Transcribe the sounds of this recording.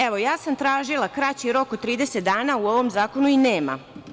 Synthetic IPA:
eʋo̞jaːsamt̪ɾaːʒilˠakɾat͡ɕiɾo̞kot̪t̪ːɾiːd̪e̞set̪̚d̪aːnauo̞ʋo̞mzaːko̞nuineːma̰

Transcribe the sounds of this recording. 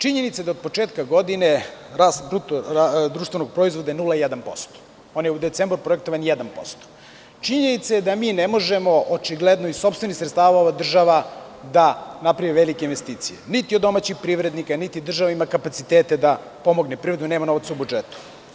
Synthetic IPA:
t͡ʃiɲenit̪saed̪aod̪̚po̞t͡ʂeːt̪kaɡo̞d̪ineɾast̪d̪ɾut̪ad̪ɾuːʃt̪venoɡ̚pɾoizʋo̞d̪ajenulˠajɛd̪anpo̞̰st̪o̥ | o̞njeud̪et̪sembɾpɾoek̚t̪oʋanjɛd̪anpo̞̰st̪o̥ | t͡ʃiɲenit̪sajed̪amiːnemo̞ʒemo̞ʔot͡ʂiɡled̪noiso̞pst̪ve̞nixsɾet̪st̪aːʋaoʋad̪r̩ʒaʋad̪anapɾajeʋelikeinʋest̪iːt̪sijḛnit̪iod̪ːo̞maːt͡ɕixpɾiʋɾed̪nikanit̪id̪r̩ʒaʋaimakapat̪sit̪eːt̪ed̪a | po̞mo̞ɡnepɾivɾed̪uneːmano̞ʋat̪saubud͡ʒet̪u̥

